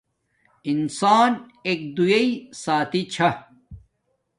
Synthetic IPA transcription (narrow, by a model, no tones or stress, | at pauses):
insaːn | eːk̚d̪ujɐisaːt̪it͡ɕʰɐ